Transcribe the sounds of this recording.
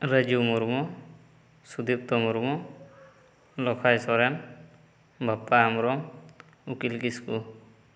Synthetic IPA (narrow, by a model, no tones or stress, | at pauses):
ɾəd͡ʒumuɾmɔ | sud̪ip̚t̪ɔmuɾmɔ | lɔkʰajsɔɾɛn | bʱapːaːmɾɔm | ukilkisku